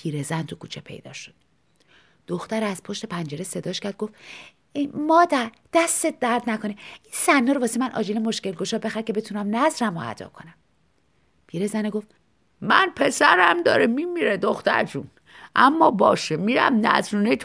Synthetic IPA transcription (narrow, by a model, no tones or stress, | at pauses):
pʰiːɾezænt̪ʰukʰuːt͡ʃʰepʰe̞̰jd̪ɒ̰ːʃo̥d̪̥̚ | d̪̥oxt̪æɾæz̥pʰoʃt̪e̞pʰænd͡ʒeɾese̞d̪ɒːʃcʰæɾd̪̚ɡoft̪ | emɒːd̪æɾ | d̪̥æst̪et̪̚d̪æɾd̪nækʰoneinsænːɔːɾovɒːsemænʔɒ̰ːd͡ʒelemo̞ʃcelɡoʃɒːbe̞xæɾ̚cʰe̞be̞t̪ʰunæmnæzɾæmo̰æ̰d̪ɒ̰ːkʰo̞næm | pʰiɾezæneɡoft̪ | mænpʰe̞sæɾæmd̪ɒ̰ːɾemimiɾed̪oxt̪æ̰ɾt̪ʰun | ʔæmːɒːbɒːʃemiɾæ̰mnæ̰zɾuːnet̪ʰ